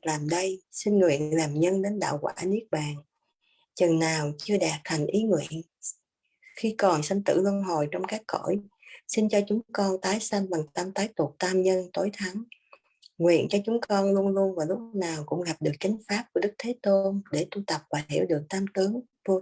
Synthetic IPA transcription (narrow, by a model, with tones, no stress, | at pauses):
laː˨˩mɗə˧jsï˧nŋwḭ˧˨ənlaː˨˩mɲə˧nɗe˨˦nɗa̰ː˧˨wkwa̰ː˧˩ni˦˥ək̚ɓaː˨˩n | t͡ɕə˨˩ŋnaː˨˩wt͡ɕɨ˧əɗaː˨˩p̚t̪ʰa˨˩ŋ̟ʔi˨˦ŋwḭ˧˨ən | xi˧kɔ˨˩nsə˧nt̪ɨ̰˧˩lwə˧nɦo˨˩jt͡ɕɔ˧wŋ͡mkaː˦˥kko̰˧˩˨jsi˧nt͡ɕɔ˧t͡ɕʊ˨˦ŋ͡mŋ͡mkɔ˧nt̪aː˨˦jsə˧nɓa˨˩ŋt̪a˧mt̪aː˨˦jt̪u˨˩ək̚t̪aː˧mɲə˧nt̪o˨˦jt̪ʰa˨˦ŋ | ŋwḭ˧˨ənt͡ɕɔ˧t͡ɕʊ˨˦ŋ͡mkɔ˧nlu˧ənlu˧ənvaː˨˩lʊ˦˥k͡p̚naː˨˩wkʊ̰˧˥ŋ͡mɣa˨˩p̚ɗɨ˨˩ək̚t͡ɕï˨˦ŋ̟faː˦˥p̚ku˧˩əɗɨ˦˥k̚t̪ʰe˨˦t̪o˧nɗe˧˩t̪u˧t̪ə˨˩p̚vaː˨˩hḭ˧˩əwɗɨ˨˩ək̚t̪aː˧mt̪ɨ˨˦əŋt̪u˧